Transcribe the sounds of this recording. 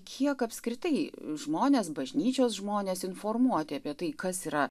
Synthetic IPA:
kʲʰiɛkɐpʲskɾʲɪt̪ɐɪʒmoːnʲeːsbɐʒʲnʲiːt͡ʃʲoːsʒmoːnʲeːsɪnfoːrmuɔt̪ʲɪɐpʲiɛt̪ɐɪkɐsiːɾɐ

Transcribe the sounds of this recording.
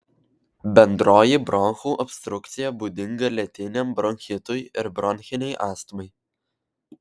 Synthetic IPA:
bʲɛnd̪ɾoːjibɾɔnxuːʔɔpʲst̪ɾʊkt̪sʲɪjɛbuːd̪ʲɪŋɡɐlʲɛt̪ʲɪnʲɛmbɾɔŋʲxʲɪt̪ʊjɪɾbɾɔnʲxʲɪnʲɛɪʔɑːst̪mɐɪ

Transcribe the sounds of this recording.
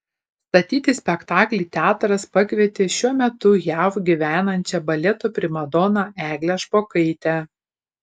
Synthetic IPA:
st̪ɐt̪ʲiːt̪ʲɪsʲpʲɛkt̪ɑːklʲiːt̪ʲæːt̪ɾɐspɐkʋʲɛt̪ʲɪʃʲuɔmʲɛt̪ʊjæwɡʲiʋʲæːnɐnʲt͡ʃʲɛbɐlʲɛt̪oːpʲɾʲɪmɐd̪ɔːnɑʔæːɡlʲɛʃpoːkɐɪt̪ʲæ

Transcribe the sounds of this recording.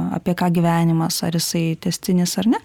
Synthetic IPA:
ɑ̰ːpʲiɛkɑːɡʲiːʋʲæːnʲɪmɐsɐ̰ɾjɪsɐɪt̪ʲɛsʲt̪ʲɪnʲɪsɐrnʲɛ

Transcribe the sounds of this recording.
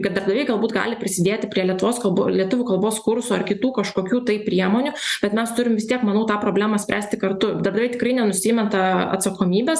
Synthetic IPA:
ɡɐtd̪ɐɾbd̪ɐʋʲeɛɪɡɐlˠbuːt̪ɡɑ̰ːlʲɪpʲɾʲɪsʲɪd̪ʲeːt̪ʲɪpʲɾʲiɛlʲɛt̪ʊʋoːskɐlˠbo̰lʲiɛt̪ʊʋʲʊːkɐlˠboːskʊɾsuːɐrkʲɪt̪uːkɐʃkoːkʲuːt̪ɐɪpʲɾʲiɛmoːnʲʊb̥ʲɛt̪mʲɛst̪ʊɾʲɪmʋʲɪst̪ʲiɛkmɐnɐʊt̪ɑːpɾoːbʲlʲæːmɐsʲpʲʔæːsʲt̪ʲɪkɐrt̪ʊd̪ɐɾbd̪ɐʋeɪt̪ʲɪkɾɐɪnʲɛnʊsʲiːmʲɛnt̪ɐɐ̰t̪sɐkoːmʲiːbʲɛːs

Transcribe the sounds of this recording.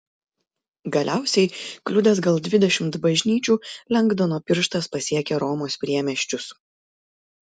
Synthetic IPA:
ɡɐlʲæˑʊsʲɛɪklʲʊd̪ʲɛs̬ɡɐlˠd̪ʲʋʲɪd̪ʲɛʃʲɪmt̪bɐʒʲnʲiːt͡ʃʲuːlʲɛŋɡd̪ɐnoːpʲɪɾʃt̪ɐspɐsʲiɛkʲɛɾɔmoːspʲɾʲiɛmʲɛʃʲt͡ʃʲʊs

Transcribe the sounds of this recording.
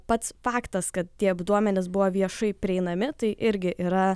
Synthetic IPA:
pɐt̪sfɑːkt̪ɐskɐt̪̚t̪ʲiɛɐbd̪uɔmʲɛnʲɪs̬bʊʋoːʋʲiɛʃɐɪpʲɾʲɪɛɪnɐmʲɪt̪ɐɪʔɪɾʲɡʲɪʔiːɾɐ

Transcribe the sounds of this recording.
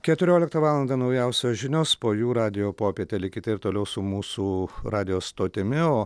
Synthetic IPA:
kʲɛt̪ʊɾʲoːlʲɪkt̪ɐʋɑːlˠɐnd̪ɑnɐʊjɛʊsʲoːʒʲɪnʲoːspoːjuːɾɑːd̪ʲɪjoːpoːpʲiɛt̪ʲɛlʲɪkʲɪt̪ʲɪɪɾt̪oːlʲɛʊsʊmuːsuːrɑːd̪ʲɪjoːst̪oːt̪ʲɪmʲɪoː

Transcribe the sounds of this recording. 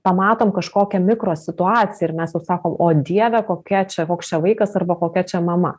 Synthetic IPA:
pɐmɑːt̪oːmkɐʃkoːkʲɛmʲɪkɾoːsʲɪt̪ʊɑːt͡sʲɪjɛɪɾmʲɛsjɛʊsɑːkoːmoːd̪ʲiɛʋʲɛkoːkʲɛt͡ʃʲɛkoːkst͡ʃʲɛʋˠɐɪkɐsɐrbɐkoːkʲɛt͡ʃʲɛmɐmɐ̰

